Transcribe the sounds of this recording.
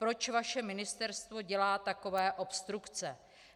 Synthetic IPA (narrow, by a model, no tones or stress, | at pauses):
pɾo̞t͡ʃvaʃɛmɪnɪst̪ɛɾst̪vo̞ɟɛlaːt̪ako̞vɛːʔo̞pst̪ɾukt͡sɛ